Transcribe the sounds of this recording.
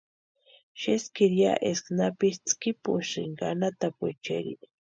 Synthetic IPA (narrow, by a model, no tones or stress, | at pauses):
ʃeskiɾja̰ʔesknapɪst͡skɪpuʃɪŋɡanat̪apwet͡ʃḛɾḭ